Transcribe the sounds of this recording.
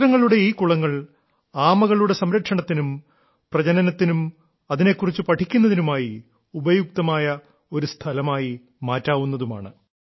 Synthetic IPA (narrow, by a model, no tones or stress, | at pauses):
ɾɐŋːɐɭuɽe̞iːkuɭɐŋːɐɭ | aːmɐɣɐɭuɽe̞sɐmɾɐkʂɐɳɐt̪ːinum | prɐd͡ʑɐnɐnɐt̪ːinum | ɐðine̞kːurit͡ɕːupɐʈʰikʲːunːɐðinumaːji | ubɐjuk̚t̪ɐmaːjɐ | o̞ɾust̪ʰɐlɐmaːji | maːtːaːʋunːɐðuma̰ːɳɨ